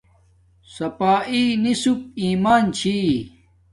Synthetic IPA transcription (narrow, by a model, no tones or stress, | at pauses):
sɐpaːʔinisup̚iːmaːnt͡ɕʰi